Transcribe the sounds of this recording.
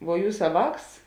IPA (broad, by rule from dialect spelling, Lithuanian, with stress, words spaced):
ʋuɔ ˈjuːsɐ ˈʋɑːks